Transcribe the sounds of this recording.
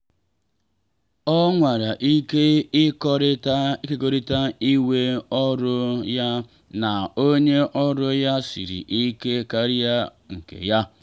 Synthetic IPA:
ɔ˦ŋʷa˨ɾa˨ʔi˦ke˦i˦kɔ˦ɾɪ˦ti˦ke˦ko˦ɾi˦ta˦i˦we˦ɔ˦ɾʊ˦ja˦ | na˨o˦ɲe˦ʔɔ˦ɾʊ˦ja˦sḭ˨ɾḭ˨ʔi˦ke˦ka˦ɾi˦a˦ | ŋ̩˨kḛ˨ja˦

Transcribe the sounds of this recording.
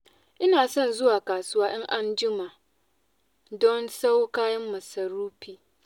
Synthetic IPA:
ʔɪ˦naː˨sɔ˦˨nzʊ˦waː˨kaː˨sʊ˦waː˦ʔɪ˦ŋʔa˦nd͡ʒɪ˦ma˨ʔ | dɔ˦nsa˦wkaː˦jɐ˦mːɐ˨sɐ˨ɾuː˦ɸiː˨

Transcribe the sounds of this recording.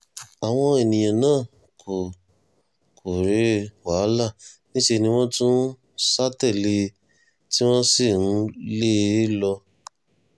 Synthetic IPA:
a˨w̃ɔ̃˧e˨nĩ˨j̃ã˨nãː˦˨ | kʰo˨ | kʰo˨ɾe˨˦wa˨˦la˦˨nĩ˦ʃe˧nĩ˧w̃ɔ̃˦tũ˦ | sa˦tɛ˦˨le˧ | ti˦w̃ɔ̃˦si˦˨nũ˦le˦lɔ˧

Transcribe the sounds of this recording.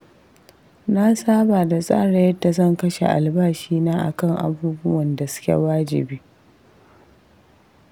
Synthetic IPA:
na˦saː˦baː˨da˨sʼa̰ː˦ɽa˨jɐ˦dːa˨zɐ˦˨ŋkɐ˦ʃḛ˨ʔa̰˨lbaː˦ʃiː˦naː˦ʔa̰˨kɐ˦ŋʔa̰˨buː˦bʊ˦wɐ˨nda˨sʊ̥˦kʲḛ˨waː˦d͡ʒɪ̰˨biː˦

